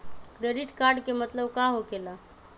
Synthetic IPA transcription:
kɾeɖiʈkaɾɖkemət̪ləbkãɦokela

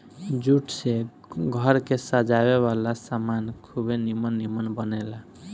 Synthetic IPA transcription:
d͡ʒuʈʰse | ɡʱəɾkesad͡ʒabeβalasamankʰubenimənːimənbənɛla

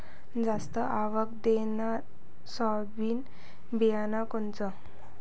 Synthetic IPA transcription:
d͡zast̪əʔaʋək̚d̪enaɾ | sɔ | biːn | bijanakɔnt͡sə

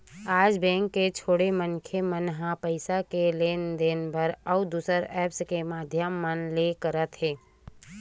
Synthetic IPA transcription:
aːd͡ʒbɛ̃ːŋkːet͡ʃʰoːɽemənkʰemənɦãpəɪsakeleːnd̪eːnbʱəɾəʊd̪uːsəɾɛːpskemaːd̪ʱjəmːənlekəɾət̪ɦɛː

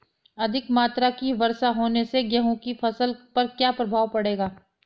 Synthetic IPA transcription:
ɐd̪ʱɪkmaːt̪ɾakiʋɐɾsaɦoːneseɡjɐɦõkifɐsəlpɐɾkjaːpɾɐbʱaːwpɐɽeːɡaː

